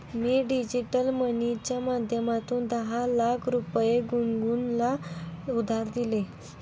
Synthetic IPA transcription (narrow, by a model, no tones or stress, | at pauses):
miːɖid͡ʑiʈəlmənit͡ɕjamad̪ʱjəmat̪uːnd̪əɦalakʰɾupjeɡuŋɡunlaud̪ʱaɾd̪ile